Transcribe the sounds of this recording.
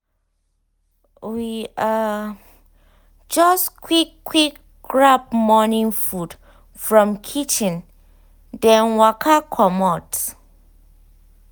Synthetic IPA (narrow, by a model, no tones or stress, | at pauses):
wia | d͡ʒɔskʰwikːwik | ɡɹapmɔnĩŋfud | fɹɔ̃mkʰit͡ʃĩn | dɛ̃nwakʰakʰɔmɔt